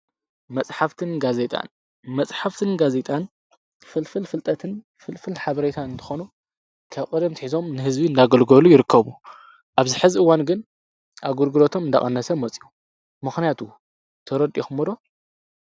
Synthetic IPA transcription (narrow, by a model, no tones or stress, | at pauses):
mɐt͡sʼħaft̪ʰɨnɡaze̞t̪ʼa̰n | mɐt͡sʼħaft̪ʰɨnɡaze̞t̪ʼan | fɨlfɨlfɨlt̪ʼɐt̪ʰɨn | fɨlfɨlħaβɐɾet̪ʰanɨnt̪ʰɨ̥xonu | kʰaβkʼɐd̪ɐmt̪iħizo̞mnɨhɨzbiɨnd̪aɡɐlɡolujɪɾɨkːɐβu | ʔaβzɨħɨziʔɨwanɡɨn | ʔaβɡuɾɡɨlot̪ʰo̞mɨnd̪a̰χʼɐ̰nːɐsɐmːɐt͡sʼiʔu | mɨxnijat̪ʰu | t̪ʰɐɾɐd̪ʼioxɨmod̪o